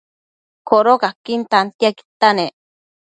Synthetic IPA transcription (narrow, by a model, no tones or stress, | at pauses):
koɾokakint̪ant̪iaki̥t̪ane